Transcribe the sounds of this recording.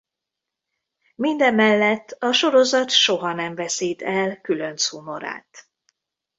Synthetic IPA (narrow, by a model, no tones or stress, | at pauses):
mind̪ɛmːɛlːɛt̪ːɒʃo̞ɾo̞zɒt̪ʃo̞ɦɒnɛɱvɛsiːt̪ɛlkylø̞nt̪sumo̞ɾa̰ːt̪